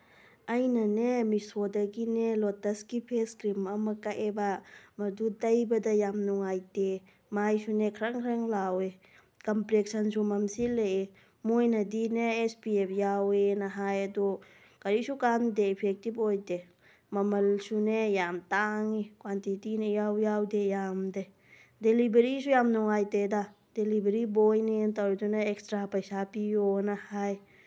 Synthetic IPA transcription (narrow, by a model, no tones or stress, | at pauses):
ɐjnanemisodaɡinelɔtɐskipʰeskɾimɐmakaʔebamɐdudɐjbɐdajamnuŋajde | majsunekʰɾaŋkʰɾaŋlawe | kɔmplek̚sɐnsumɐmsilee | mojnɐdineːspiepʰjawenaɦajɐdɔ | kaɾisukand̪eipʰɛk̚tibojde | mɐmɐlsunejamt̪aŋikwantitinejawjawdejamde | delibəɾisujamnɔŋajteda | delibəɾibojnent̪aɾtunaɛkstɾapɐjsapijonahaj